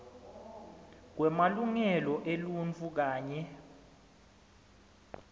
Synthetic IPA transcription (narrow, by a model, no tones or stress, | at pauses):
k̬wɛmaluŋɛlɔʔelunt͡fʰʼuk̬aːɲɛ